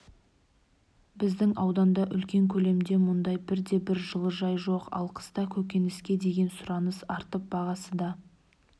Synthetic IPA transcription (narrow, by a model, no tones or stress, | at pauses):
bɪzd̪ɪŋɑwd̪ɑnd̪ɑʔʏlkʲe̞ŋkʲʰɵle̞md̪e̞mʊnd̪ɑjbɪɾd̪e̞bɪɾʒəlˠəʒɑjʒo̞qɑ̰lˠqʰə̥st̪ɑkʲʰɵkʲe̞nɪskʲe̞d̪e̞ɡʲe̞nsʊɾɑnəsɑɾt̪əp̚bɑʁɑsəd̪ɑ